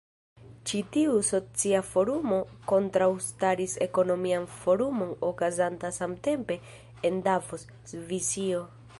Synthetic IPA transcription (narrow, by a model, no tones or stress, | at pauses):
t͡ʃitiuso̞t͡siafo̞ɾumo̞ko̞ntɾawstaɾise̞ko̞no̞mianfo̞ɾumo̞no̞kazantasamte̞mpe̞ː | ndavos | vizio̞